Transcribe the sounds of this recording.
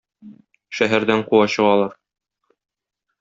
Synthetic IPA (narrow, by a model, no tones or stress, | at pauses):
ʃæɦæɾd̪æɴquwɑɕɤ̆ʁɑlˠɑɾ